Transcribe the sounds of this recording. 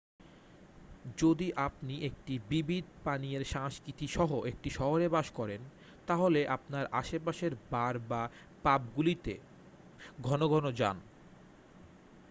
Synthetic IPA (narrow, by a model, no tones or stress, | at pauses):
d͡ʑod̪iʔapniʔek̚ʈibibʱid̪̚ʱpanieɾʃaŋskɾit̪iʃɔɦoʔek̚ʈiʃɔɦoɾebaʃkɔɾen | t̪aɦoleʔapnaɾaʃepaʃeɾbaɾba | pap̚ɡulit̪ḛ | ɡʱɔnoɡʱɔnod͡ʑa̰n